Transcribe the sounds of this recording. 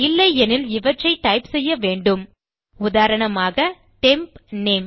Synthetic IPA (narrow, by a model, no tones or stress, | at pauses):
ɪlːɐɪɛnɪlɪʋɐʈrɐɪʈɐɪpsɛjːɐʋeːɳɖɯm | ʊðaːɾɐɳɐmaːɣɐ | ʈempneːm